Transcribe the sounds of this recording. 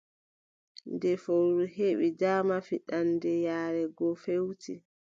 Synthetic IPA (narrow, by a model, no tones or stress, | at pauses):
ndɛfowɾuɦeɓidaːmafiɗandɛjaːɾɛɡɔfewtʰi